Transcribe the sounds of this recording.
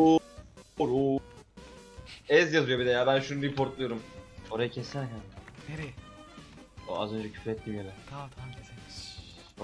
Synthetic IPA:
u | ɾuː | ɛzjazɯjo̞bid̪ɛjaːbænʃunuɾipʰo̞ɾt̪lˠujo̞ɾumo̞ɾajacʰɛsæɾʲcʰaneɾɛ | oa̰zø̞nd͡ʒɛcʰy̥fɾɛt̪ʰːimjanɛk̪ʰat̪ʰanesen

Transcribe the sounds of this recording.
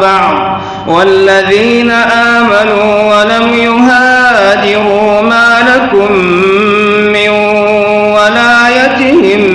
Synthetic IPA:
bɑʕd̪ˤ | walːaðiːnaʔaːmanuː | walamjʊɦaːd͡ʒɪɾuːmaːlakʊm | ɪn | walaːjat̪ɪhɪm

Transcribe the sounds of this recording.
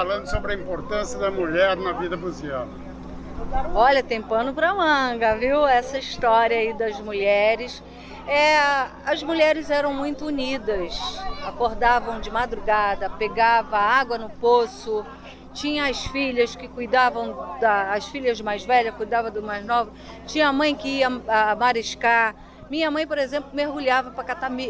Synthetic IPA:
alɐ̃nd̪ʊsobɾɪɐĩmpoɾt̪ɐ̃sjɐd̪ɐmuʎɛɾnɐvid̪ɐbuziaw | od̪aɾ̃ɔʎɐt̪ẽmpɐ̃nd̪ʊpɾɐmɐ̃ɡɐviwɛsɐiʃt̪ɔɾiɐid̪ɐzmuʎɛɾɪs | ɛ | ɐzmuʎɛɾɪzɛɾɐ̃w̃mũj̃t̪ʊunid̪ɐsakoɾd̪avɐ̃w̃d͡ʒɪmad̪ɾuɡad̪ɐpeɡavɐaɡwɐnʊposʊ | t͡ʃĩɲɐ̃ɐsfiʎɐskɪkujd̪avɐ̃w̃d̪ɐːsfiʎɐzd͡ʒɪmajzvɛʎɐkujd̪avɐd̪ʊmajznɔvɐ | t͡ʃĩɲɐamɐ̃j̃kɪiɐːmaɾiʃka | mĩɲɐmɐ̃j̃poɾezẽmplʊmeɦɡuʎavɐpɾɐkat̪ami

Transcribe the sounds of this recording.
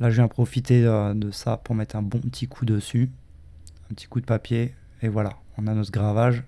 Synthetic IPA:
laʒəvjɛ̃pχɔfit̪eød̪əsapuʁmɛt̪χɛ̃bɔ̃pət̪ʰikʰud̪əsy | ɛ̃pət̪ʰi̥kud̪əpapje | evwalaɔ̃nanɔt̪χəɡʁavaʒ

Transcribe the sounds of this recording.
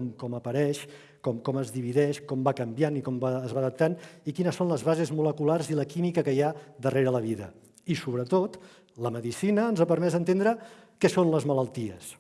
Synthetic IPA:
ŋkɔməpəɾɛʃ | kɔmkɔməzðiβ̞iðɛʃkɔmbakəmbjanikɔmaːzβaðəp̚t̪anikinəsonləzβazezmuləkularziləkimikəkəjad̪əreɾələβ̞iðə̰ | isuβɾət̪ot̪ | ləməðisinəːnzapəɾmɛzðənt̪end̪ɾəkɛsonləzmələlˠt̪iə̰s

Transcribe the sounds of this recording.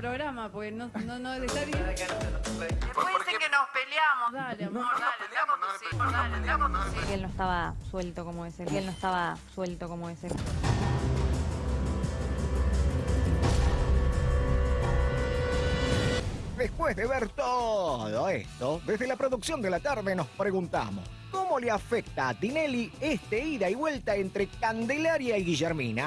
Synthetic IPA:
pɾoɣɾamapoɾkenonnoet̪aβjeakasaleewesekenospeljamoðale | asioðleasikelnoest̪aβaswelt̪okomoeseelnoest̪aβaswelt̪okomoese | d̪espweɦðeβeɾt̪oðoḛst̪oðezðe̞lapɾoðuksjo̞nd̪e̞lat̪aɾðeno̞spɾeɣunt̪a̰mos | komo̞leafek̚t̪aːt̪ine̞liest̪eiɾaiβwe̞lt̪aent̪ɾekand̪elaɾjaiɣiʒeɾmina

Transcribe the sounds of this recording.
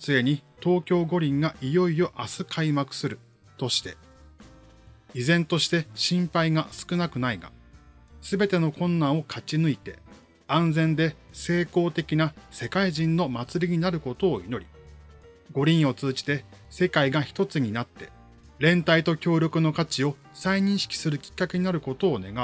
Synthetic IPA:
t͡sɨe̞ɲ̟it̪o̞ːkʲo̞ːɡo̞ɾʲĩŋɡaʔijo̞io̞ʔasɨkʰaimakɯ̟̥sɨɾɯ̟ | t̪o̞ɕi̥t̪e̞ | izẽ̞nt̪o̞ɕi̥t̪e̞ɕĩmpaiɡasɨ̥kɯ̟nakɯ̟naiɡa̰ | sɨbe̞t̪e̞no̞kʰõ̞nːãɰ̃o̞kʰat͡ɕinɯ̟it̪e̞ | ãnd͡zẽ̞nd̪e̞se̞ːko̞ːt̪e̞kʲinase̞kaiʑĩnːo̞mat͡sɨɾʲiɲ̟inaɾɯ̟ko̞t̪o̞ːḭno̞ɾʲi | ɡo̞ɾʲĩɰ̃o̞t͡sɨːʑi̥t̪e̞ | se̞kaiɡaçi̥t̪o̞t͡sɨɲ̟inat̪ːe̞ | ɾẽ̞nt̪ait̪o̞kʲo̞ːɾʲo̞kɯ̟no̞kat͡ɕio̞ | saiɲ̟ĩɰ̃ɕi̥kʲi̥sɨɾɯ̟kʲi̥kːake̞ɲ̟inaɾɯ̟ko̞t̪o̞ːne̞̰ɡa

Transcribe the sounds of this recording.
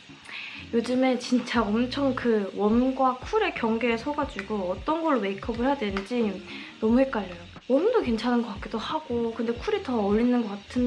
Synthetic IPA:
jod͡ʑɯme̞t͡ɕint͡ɕ͈aʌmt͡ɕʰʌŋkɯwʌnɡwakʰuɾe̞kjʌŋɡe̞ːsʰʌɡad͡ʑuɡoʌt͈ʌnɡʌɭːome̞ikʰʌbɯɭɦeadwenɯd͡ʑi | nʌmuhe̞k͈aʎːʌjo | wʌmdoke̞nt͡ɕʰanɯnɡʌk͈ak͈edohaɡ̥okɯnde̞kʰuɾitʌːʎːinɯnɡʌk͈atʰɯn

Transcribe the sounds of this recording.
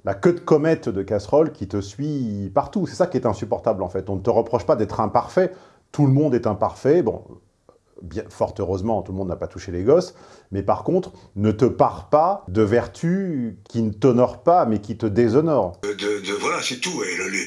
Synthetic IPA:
lakød̪əkɔmɛt̪d̪əkasχɔlkʲit̪əsɥipaʁt̪usɛ̥sakʲiɛt̪ɛ̃sypɔʁt̪ablɑ̃fɛt̪ɔ̃nət̪əʁəpχɔʃpad̪ɛt̪χɛ̃paʁfɛ | t̪uləmɔ̃d̪ɛt̪ɛ̃paʁfɛbɔ̰̃ | bjɛ̃fɔʁt̪øʁøzmɑ̃t̪ulmɔ̃d̪nːapat̪uʃeleɡɔs | mɛpaʁkɔ̃t̪χ | nət̪əpaʁpad̪əvɛʁt̪ʰykʲinət̪ɔnɔʁpamɛkʲit̪əd̪ezɔnɔʁd̪əd̪əvwalasɛt̪ueləl

